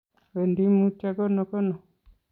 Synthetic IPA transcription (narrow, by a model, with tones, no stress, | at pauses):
we˨ndi˦mu˦t͡ʃa˦kɔ˦nɔ˨kɔ˦nɔ˨